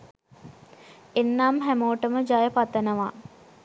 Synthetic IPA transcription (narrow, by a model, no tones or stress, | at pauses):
enːaːmɦæmoːʈəməd͡ʒajəpat̪ːənəʋa̰